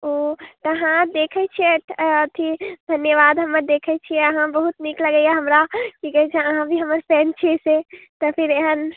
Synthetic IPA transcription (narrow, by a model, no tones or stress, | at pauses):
ot̪əɦãd̪ekʰɛt͡ʃʰieʈʰət̪ʰid̪ʱənjəʋad̪ɦəmːəɾd̪ekʰət͡ʃʰieəɦãbəɦut̪nikləɡəjaɦəmɾakiɡɛjt͡ʃʰɛ̃əɦãbʱiɦəmːəɾpʰent͡ʃʰiset̪ɔpʰiɾeɦən